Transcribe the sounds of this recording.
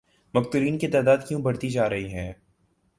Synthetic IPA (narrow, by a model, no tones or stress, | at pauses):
mɐkt̪uɾiːnket̪aːd̪aːd̪kjũbɐɽt̪id͡ʒaːɾɐɦiɦɛ̃ː